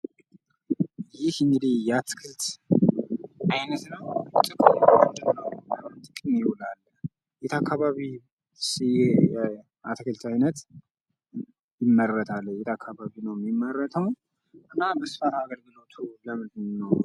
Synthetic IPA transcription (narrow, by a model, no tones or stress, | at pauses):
jɪhɨŋɡɨd̪ihjɛat̪kʰɨlt̪ | ʔajnət̪nəwt̪ʼɨkʼɨmand͡ʒ̪əmnəwat̪ʼɨkʼɨnjɪhɔlalː | jɛt̪ʰakʰːaβaβi | sje | a̰t̪ʰkʰɨlt̪ʰajnət̪ | jɪmːərət̪ʰalːjɛt̪ʰakʰːaβaβinəwmːimːərːət̪ʰəw | ʔɨnːabəsfataɡəɾɡɨlot̪ʰuləmɨdnnːəw